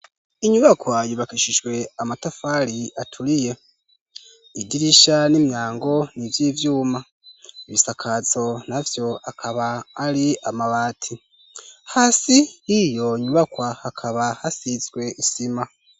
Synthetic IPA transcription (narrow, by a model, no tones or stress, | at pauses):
iɲuβakwajuβakiʃiʒwe̞amatafaɾiatʰuɾije̞ | idiɾiʃanimjaːŋɡo̞nivjiːvjuːma | iβisakʰazo̞navjo̞akʰaβaːɾiamaβaːtʰi | haːsijijo̞ɲuβakwahakʰaβahasizɡwe̞ʔisima